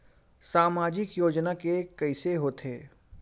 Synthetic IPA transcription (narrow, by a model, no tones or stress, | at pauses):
saːmaːd͡ʒɪkjoːd͡ʒnakekɐɪseɦoːt̪ʰeː